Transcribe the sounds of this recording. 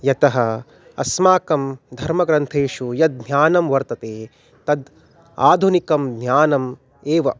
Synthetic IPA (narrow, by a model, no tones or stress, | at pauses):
jɐt̪ɐɦɐ | ɐ̰smaːkɐmd̪ʱɐɾmɐɡɾɐnt̪ʰeːʂujɐd̪̚ɲjaːnɐmʋɐɾt̪ɐt̪eː | t̪ɐd̪ | a̰ːd̪ʱunikɐmd̪nɲjaːnɐm | eːʋɐ̰